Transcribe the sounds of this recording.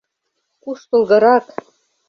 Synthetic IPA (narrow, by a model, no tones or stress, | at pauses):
kuʃt̪ŏlˠɣɤ̆ɾɑk